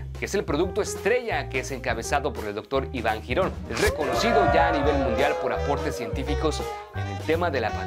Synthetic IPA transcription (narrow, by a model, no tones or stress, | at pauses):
keese̞lpɾo̞ðuk̚t̪o̞e̞st̪ɾe̞ʝakeese̞ŋkaβe̞saðo̞po̞ɾeld̪o̞k̚t̪o̞ɾiβaŋxiɾo̞n | esre̞ko̞no̞siðo̞ʝaːniβe̞lmũnd̪jalpo̞ɾapo̞ɾt̪esje̞nt̪ifiko̞s | ene̞lt̪e̞maðe̞lapa